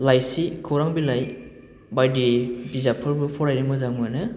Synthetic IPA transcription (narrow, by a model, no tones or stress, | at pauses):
lajsikʰɔɾaŋbilaj | bajdibizapʰɯɾbɯpʰɔɾajɾɯmɯzaŋmɔjnɯ